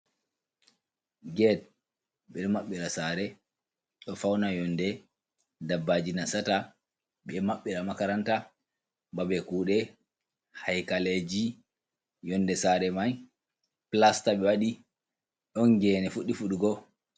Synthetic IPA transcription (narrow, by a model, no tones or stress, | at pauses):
ɡɛd̚ | ɓɛɗmaɓːiɾasaɾɛ | ɗɔfawnajɔndɛ | dabːad͡ʒinasata | ɓɛmaɓːiɾamakaɾanta | babɛkuːɗɛ | hajkaled͡ʒi | jɔnːdɛsaɾɛmaj | plastaɓɛwaɗi | ɗɔnɡɛːnɛfuɗːifuɗuɡɔ